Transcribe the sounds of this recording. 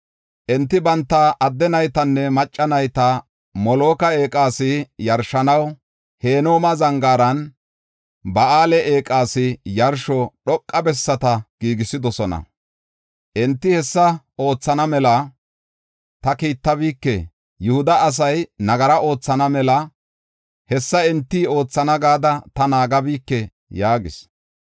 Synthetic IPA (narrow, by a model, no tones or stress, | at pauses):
ʔɛnt̪ːɪbɐnt̪ːɐʔːd̪ːɛnɐjt̪ɐnːɛmɐt͡ʃʼːɐnɐjt̪ɐ | mɔlo̞ːkɐe̞ːkʼaːsɪjɐɾʃɐnɐw | he̞ːnoːmɐzɐŋɡaːɾɐn | bɐaːlɛʔeːkʼaːsɪjɐɾʃɔɗɔkʼːɐbɛsːɐt̪ɐɡ̥iːɡɪsɪd̪ɔsɔnɐ̰ | ʔɛnt̪ːɪhɛsːɐ | o̞ːt͡sːɐnɐmɛlɐ | t̪ɐkiːt̪ːɐbiːkːɛ | jʊhʊd̪ɐːs̬ɐjnɐɡɐɾɐʔo̞ːt͡sːɐnɐmɛlɐ | hɛsːɐɛnt̪ːio̞ːt͡sːɐnɐɡaːd̪ɐt̪ɐnaːɡɐbiːkːɛ | jaːɡɪs